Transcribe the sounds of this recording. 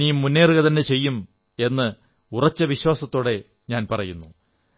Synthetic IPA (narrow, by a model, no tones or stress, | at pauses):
ijmːunːeːrɣɐt̪ɐnːet͡ɕe̞jːum | e̞nːɨ | urɐt͡ɕːɐʋiɕwaːsɐt̪ːoːɽe̞ | ɲaːnpɐrɐjunːu